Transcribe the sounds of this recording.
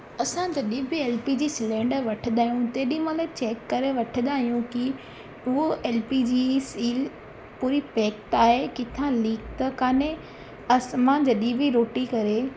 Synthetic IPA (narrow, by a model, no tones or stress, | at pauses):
ɐsãd͡ʑɐɗĩbʱɪeːlpid͡ʑiːsɪlẽːɳɖəʋɐʈʰəd̪aːɦijũt̪eːɗĩmãlet͡ɕeːkːɐɾeʋɐʈʰəd̪aːɦijũki | ʊɦoʔeːlpid͡ʑisiːl | puːɾipɛːkʈaːɦekɪt̪ʰãliːkt̪ɐkaːne | ɐsmãd͡ʑɐɗĩbʱɪɾoːʈikɐɾe